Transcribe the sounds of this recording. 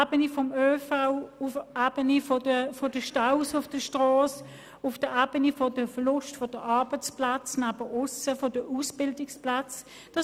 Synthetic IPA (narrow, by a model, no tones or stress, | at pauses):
bənifɔmøːfaʊʊfʔaːb̥ənifodəfodəʃtaʊsʊfd̥əʃtʁɔːs | ʊfd̥əaːbənifodəfəlʊʃtfod̥əʔɑɐbət͡splat͡snaːb̥əʔʊsəfodəʔusb̥ɪldɪksplat͡s | d̥ɑ